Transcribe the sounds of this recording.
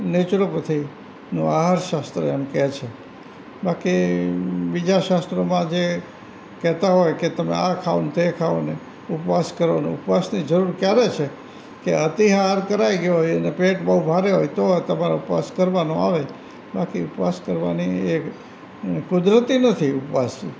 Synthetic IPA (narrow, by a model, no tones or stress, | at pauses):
net͡ʃɾopət̪ʰi | nũaɦaɾʃast̪ɾəemkɛt͡ʃʰe | baki | bid͡ʒaʃast̪ɾomãd͡ʒe | kɛt̪aɦojket̪əmḛakʰaʋonũt̪ekʰaone | upʋaskəɾʋanṵ̃upʋasnid͡ʒəɾuɾkjaɾet͡ʃʰe | keət̪iɦaɾkəɾaiɡjoɦojənepeʈbəɦũbʱaɾeɦojt̪ot̪əmaɾaupʋa̰skəɾʋanõa̰ʋe | bakiupʋaskəɾʋa̰nie | kʊd̪ɾət̪inət̪ʰiupʋasi